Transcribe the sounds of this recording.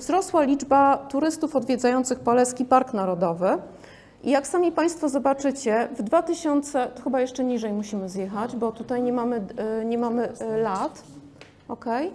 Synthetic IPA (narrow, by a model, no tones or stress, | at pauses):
vzɾɔswalʲid͡ʐbat̪uɾɘst̪ufɔd̪vʲjɛd̪zajɔnt̪sɘxpɔlɛskʲipaɾknaɾɔd̪ɔvɘ | ʔijaksamʲipaj̃st̪fɔzɔbat͡ʂɘt͡ɕɛvd̪vat̪ɘɕɔnt̪sɛt̪ɔxɘbajɛʂt͡ʂɛɲiʐɛjmuɕimɘzjɛxad͡ʑbɔt̪ut̪ajɲɛmamɘɲɛmamɘlat̪ | ʔɔkɛj